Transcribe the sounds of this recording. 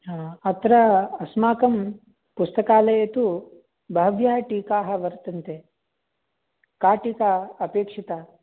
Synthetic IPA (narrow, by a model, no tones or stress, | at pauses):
ɦaːɐt̪ɾɐɐsmaːkɐm | pust̪ɐkaːlɐjɐt̪u | bʱɐɦɐʋjɐɦɐʈiːkaːɦɐ̆ʋɐɾt̪ɐnt̪e | kaːʈikaɐpeːkʂit̪ɐ